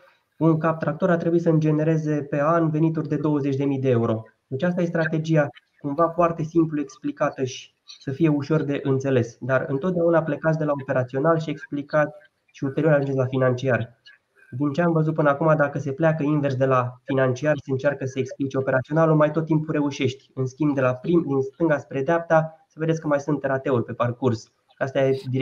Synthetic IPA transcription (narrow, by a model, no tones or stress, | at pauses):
uŋkap̚t̪ɾakt̪o̞ɾat̪ɾe̞buisəɨnd͡ʒe̞ne̞ɾe̞ze̞pe̞anve̞nit̪urʲd̪e̞d̪o̞wəze̞t͡ʃʲd̪e̞mijd̪e̞euɾo̞ | at͡ʃas̬t̪aje̞st̪ɾat̪e̞d͡ʒia | kumvafoart̪e̞simplue̞ksplikat̪əʃi̥ | səfije̞uʃo̞rd̪e̞ʔɨnt̪se̞le̞sd̪arɨ̰nt̪ot̪̚d̪eaunaːple̞kat̪s̬d̪e̞laope̞ɾat̪sio̞nalʃie̞ksplikat̪ | ʃiult̪eɾio̞ɾaʒund͡ʒeslafinant͡ʃiarʲ | d̪int͡ʃe̞amvəzut̪̚pɨnəakumad̪akəse̞plʲeakəinve̞rs̬d̪e̞lafinant͡ʃiarse̞ɨnt͡ʃarkəsəeksplit͡ʃe̞o̞pe̞ɾat̪sio̞nalumajt̪ot̪ːimpuɾe̞uʃe̞ʃt̪ʲɨnskʲimbd̪e̞lapɾimd̪inst̪ɨŋɡaspɾe̞d̪eap̚t̪asəved̪esʲkəmajsunt̪ːeɾat̪e̞urʲpe̞parkurs | ʃast̪jajed̪i